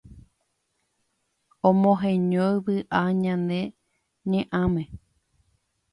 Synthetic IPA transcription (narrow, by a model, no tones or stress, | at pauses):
õmõɦẽɲõjβɨʔaɲãnd̪e̞ | ɲẽʔãmẽ